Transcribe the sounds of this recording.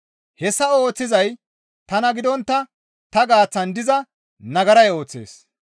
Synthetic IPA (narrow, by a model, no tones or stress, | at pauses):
hɛsːɐo̞ːt͡sːɪzɐj | t̪ɐnɐɡɪd̪ɔnt̪ːɐ | t̪ɐɡaːt͡sːɐnd̪ɪzɐ | nɐɡɐɾɐjo̞ːt͡sːḛːs